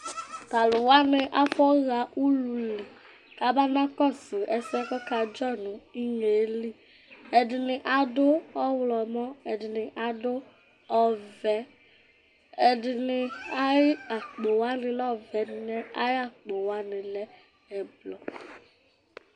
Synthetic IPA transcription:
ka˨lʊ˨wa˦nɪ˧ʔa˦fɔ˦ɣa˨ʔu˦lu˨li˨ | ka˨˦ba˦na˦kɔ˦˨sɪ˨ɛ˨sɛ˦kɔ˦ka˧d͡ʒɔ˦˨nʊ̃˨i˦ŋe˨˦li˦ | ɛ˨dɪ˨nɪ˨ʔa˨dʊ˦ɔ˦wlɔ˨mɔ˦ɛ˨dɪ˨nɪ˨ʔa˨dʊ˦ | ɔ˦vɛ˨˦ | ɛ˨dɪ˨nɪ˨a˦ɪ˦a˨k͡po˨wa˦nɪ˨lɔ˦vɛ˨˦dɪ˨nɛ˦a˦ja˦˨k͡po˨wa˦nɪ˨lɛ˦ | ɛ˨blɔ˨

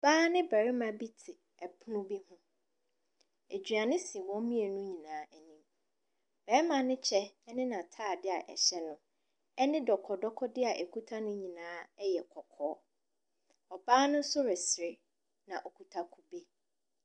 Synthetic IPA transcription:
b̥aː˦nɪ̃˦bæ˨ɾɪ˦mã˨bi˦tʰɪ˨ | ɛ˨pʰʊ˦nʊ̃˦bi˦hũ˦ | e˨d͡ʑᶣɥa˨nɪ̃˦si˨wɔ̃˦mĩ˦e˨nʊ̃˦ɲĩ˨nãː˨˦æ˨nĩ˨m | bɛ˨˦mã˨nɪ̃˦t͡ɕʰɛ˦ɛ˦nɪ̃˦nã˨tʰaː˦˨dɪ˦a˨ʔɛ̰˨ɕɛ˦nʊ̃˦ | ɛ˦nɪ̃˦dɔ˨kʰɔ˨dɔ˦kʰɔ˦dɪ˦a˨ʔe˨kʰu˦tʰa˦nʊ̃˦ɲĩ˨nãː˨˦ɛ˦jɛ˨kʰɔ˨kʰɔː˨˦ | ɔ˨baː˦nʊ̃˦sʊ˦ɾɪ˨sɪ˨ɾɪ˦ | nã˨ʔɔ˨kʰu˨tʰa˦kʰu˨be˦

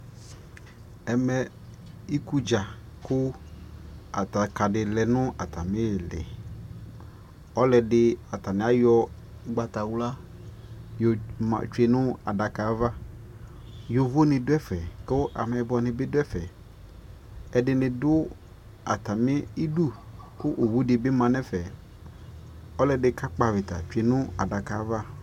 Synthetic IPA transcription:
ɛ˨mɛ˨ | i˦ku˦d͡ʒa˨ | kʊ˦ | a̰˨t̪a˨ka˨dɪ˨lɛ˨nʊ̃˦a˨t̪ʰa˨mɪ̃˦˨lɛ̰˨ | ɔ˦lɛ˨dɪ˦a˨t̪a˨nɪ˨˦a˦jɔ˦ | ɡ͡ba˨t̪a˨wla˦ | jo˨a̰˨t͡ʃe˨nʊ̃˦a̰˨da˨ka˨˦va˦ | jo˨vo˦nɪ̃˨dʊ˦ɛ˦fɛ˨kɪ˦ʔa̰˨mɛ˨bʊ˦ɔ˨nɪ̃˨bɪ˦dʊ˦ɛ˦fɛ˨ | ɛ˨dɪ˨˦nɪ̃˨dʊ˦ | a̰˨ta˨mɪ˦i˦du˦˨kʊ˦ʔo˨wu˦dɪ˨bɪ˦mã˨nɛ˦fɛ˨ | ɔ˦lɛ˨dɪ˦ka˦k͡pa˨vɪ˨ta̰˨t͡ʃe˨nʊ̃˦a˨da˨ka˨˦va˦

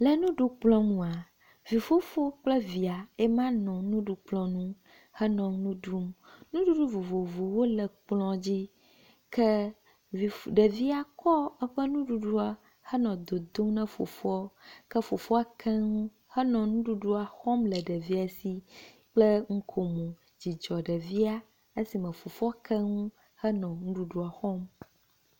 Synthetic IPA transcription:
lə˨nũ˦ɖu˦k͡plɔ̃˦ŋũ˨a˨ | vi˨fo˦fo˦k͡plɛ˦vi˨a˨ɛ˦mã˦nɔ̃˨nũ˦ɖu˦k͡plɔ̃˨nũ˦ | hɛ˦nɔ̃˨ŋnũ˦ɖu˦mnũ˦ɖu˦ɖu˦vo˨vo˨vo˨wo˦lɛ˨k͡plɔ̃˦d͡ʑi˦ | kʰɛ˦ | vi˨ɖɛ˨vi˦a˨kɔ˦ɛ˦ɸə˦nũ˦ɖu˦ɖu˦a˨ | hə˦nɔ̃˨d̪o˨d̪o˦mnɛ̃˦fo̰˨fɔ˦kɛ˦fo˨fo˦a˨kʰɛ˦ŋũ˦ | hɛ˦nɔ̃˨nũ˦ɖu˦ɖu˦a˨xɔ˦mlɛ˨ɖɛ˨vi˦a˨si˦ | k͡plə˦ŋ̩˦kʰo˨mũ˨ | d͡ʑi˨d͡ʒɔ˨ɖɛ˨vi˦a˦ | e˦si˨mɛ̃˨fo˨fo˦a˦kʰɛ˦ŋũ˦ | hə˦nɔ̃˨nũ˦ɖu˦ɖu˦a˨xɔ˦m

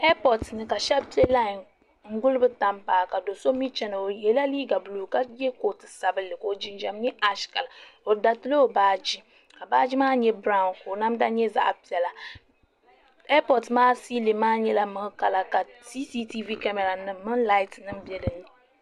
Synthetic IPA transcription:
ɛ˦pɔ˨tnɨ˦ka˨ʃɛ˦pi˦ɛ˦la˦˨n | ŋ̩˦ɡʊ˦lɨ˦bɨ˦ta˦mpaː˨ka˨do˨so˦mi˦t͡ʃɛ˦nɨ˨o˨jɛ˨la˦liː˦ɡa˨bu˨luː˨ka˦jɛ˦ko˨tɨ˨sa˨bɨ˦lɨ˨ko˨˦˨d͡ʒi˦nd͡ʒa˨mɲɛ˦ʔa˦ʃka˨la˨o˨da˨tɨ˦lo˦o˨baː˦d͡ʒi˦ | ka˨baː˦d͡ʒi˦maː˦ɲɛ˦bɾa˦˨nko˨na˦mda˦ɲɛ˦za̰˦ʔpi˨˦ɛ˨la˨ | ɛ˦pɔ˨tmaː˦si˦li˨maː˦ɲɛ˦la˦mɨ˨ŋ˦ka˨la˨ka˨si˦si˦ti˦vi˦ka˦mɛ˨ɾa˨nɨ˨mɨ˦ŋla˦ɪ˦tnɨ˦m̩˦bjɛ˦dɨ˨ni˨

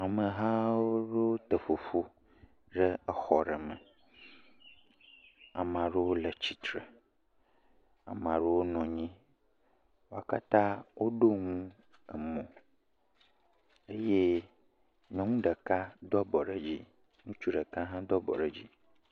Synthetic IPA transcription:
a˨mə̃˨ɦã˦wo˦ɖe˦wo˦t̪ə˨ɸo˨fu˦ | ɖə˦ɛ˦xɔ˨ɖə˨mɛ̃˨ | a̰˨mã˨ɖe˦wo˦lə˨t͡ɕi˨t̪ɾe˨ | a̰˨m˨ã˨ɖe˦wo˦nɔ̃˨ɲĩ˦ | wo˦a˨ka̰˦t̪ã˦wʔo˦ɖo˦ŋũ˦ | ɛ̰˨mɔ̃˨ | e˦je˦ | ɲã˨ŋũ˦ɖə˨ka˦d̪ɔ˦bɔ˨ɖə˦d͡ʑi˦ | nũ˦t͡ʃu˦ɖə˨ka˦ɦã˦d̪ɔ˦bɔ̰˨ɖə˨d͡ʑi˦

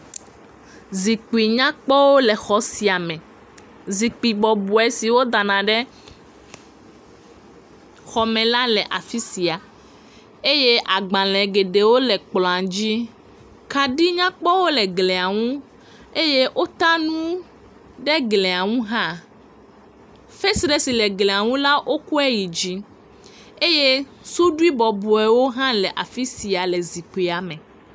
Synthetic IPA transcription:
zi˨k͡pi˨ɲã˦k͡pɔ˦wo˦lɛ˨xɔ˨si˨a˨mɛ̃˨ | zi˨k͡pi˨ɡ͡bɔ˨bu˨ɛ˦si˨wo˦d̪a˨nã˨ɖɛ˦ | xɔ˨mɛ̃˨la˦lɛ˨ʔa˨fi˦si˨a˨ | e˦je˦ʔa˨ɡ͡bã˨lɛ̃˨ɡe˨ɖe˨wo˦lɛ˨k͡plɔ̃˨a˨d͡ʑi˦ | ka˨ɖi˦ɲã˦k͡pɔ˦wo˦le˨ɡle˨a˨ŋũ˦ | e˦je˦ʔo˦t̪a˦nũ˦ | ɖe˦ɡlẽ˨a˨ŋũ˦ɦã˦ | fe˦sɖe˦si˨le˨ɡlẽ˨a˨ŋũ˦la˦ʔo˦ku˦ɛ˦ji˨d͡ʒi˦ | e˦je˦ | su˦ɖu˦i˦bɔ˨bu˨ɛ˨wo˦ɦã˦lɛ˨ʔa˨fi˦si˨a˨le˨zi˨k͡pe˨a˨mẽ˨

